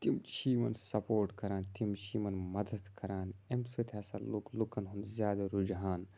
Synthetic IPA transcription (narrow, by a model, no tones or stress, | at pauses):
t̪imt͡ʃiːmɐnsɐpoːɾʈkɐɾaːnt̪imt͡ʃiːmɐnmɐd̪ɐd̪kɐɾaːnemsoːt̪ʲʰaːsa̰luklukɐnɦunzʲjaːd̪ɐɾud͡ʒɦaːn